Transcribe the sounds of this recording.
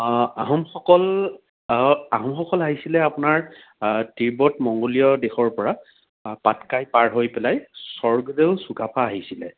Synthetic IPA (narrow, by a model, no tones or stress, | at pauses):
aɦɔmxɔkɔl | aɦɔmxɔkɔlaɦisilɛapʊnaɹ | tiɹbɔtmɔŋɡolijɔdexɔɹpɔɹa | patkajpaɹɦojpɛlajsɔɹɡɔdeʊsukapʰaːɦisilɛ